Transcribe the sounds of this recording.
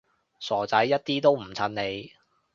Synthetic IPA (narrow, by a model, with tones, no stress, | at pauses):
sɔː˨˩t͡sɐ˨˥jːɐ˥t̚t̪iː˥t̪o˥wm̩˨˩t͡sʰɐ˨˧nne˨˧j